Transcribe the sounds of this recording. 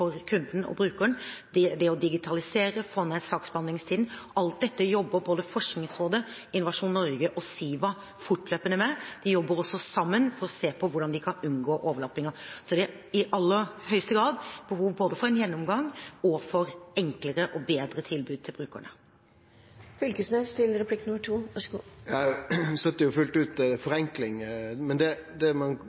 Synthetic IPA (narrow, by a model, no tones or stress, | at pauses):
fɔɾkʰʉnd̪n̩ɔ̰bɾʉːkəəɳd̪ɛd̪ɛɔd̪ɪɡɪt̪ʰɑlɪseːɾəfɔnɛsɑːksbɑnɪŋst̪ʰiːd̪n̩ɔʔɑlt̪̚d̪ɛt̪ːəjɔbːəɾboːd̪əfɔʂknɪŋsɾoːd̪ə | ɪnʊʋɑʂuːnnːɔɾɡəʔɔsiːʋɑ | fʊʈløːpənəmɛd̪̥ɛjɔbːəɾɔsːɔsɑmːənfɔɾɔseːpʰɔʋʊɖɑnd̪ɪkʰɑnʉnɡoːʔoːʋəlɑːpɪŋɑsɔd̪ɛ | ɪʔɑlːəɾhœʏst̪əɡɾɑːd̪b̥əɦuːʋboːd̪əfɔɾɛnjɛnːɔmɡɑŋɔfɔɾɛŋkləɾəʔɔbeːd̪ɾət̪ʰɪlbʉːd̪t̪ʰɪlbɾʉːkə̰ɳə | fʏlkəsneːst̪ʰɪlɾɛpʰlɪkːnʉməʈʰuːʋɑʂɡuːjɑst̪œt̪ːəjʊfʉlt̪ʉːt̪fɔɾɛŋklɪŋmɛnd̪ɛd̪ɛmɛn